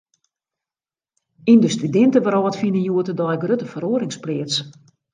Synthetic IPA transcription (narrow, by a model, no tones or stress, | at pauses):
indəstydɪntəʋəɾɔətfinənjuətədɔjɡrøtəfəɾoəɾɪŋsplɪət͡s